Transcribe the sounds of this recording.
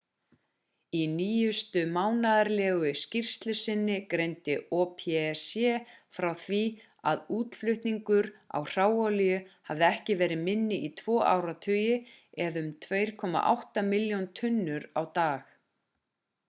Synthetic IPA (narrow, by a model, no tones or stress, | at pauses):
iniːjʏst̪ʏmaːwnaðaɾlɛːɣʏscir̥st̪lʏsɪnːɪkɾejnt̪ɪɔpʰɛsjɛːfɾawθvi | a̰ðuːt̪flʏht̪niŋkʏɾa̰wr̥aːwawlɪjʏhavðɪɛhcɪvɛːɾɪmɪnːɪʔit̪ʰvɔːʔa̰wɾat̪ʰœːjɪ | ɛðʏmt̪ʰveːjɾ̥kʰɔma̰ʔa̰wht̪amɪljownt̪ʰʏnːʏɾawt̪aːx